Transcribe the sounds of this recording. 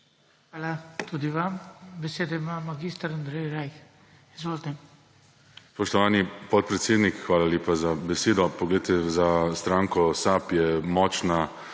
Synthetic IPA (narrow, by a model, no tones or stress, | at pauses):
xʋaːlat̪ud̪iʋambɛseːd̪ɔimamaɡist̪aɾand̪ɾɛjɾajx | izʋoːlt̪ɛ | spɔʃt̪ɔʋaːnipɔt̪̚pɾɛt̪seːd̪nikxʋaːlaljeːpazabɛseːd̪ɔpɔɡlɛjt̪ɛzast̪ɾaːŋkɔsapjɛmɔːt͡ʃna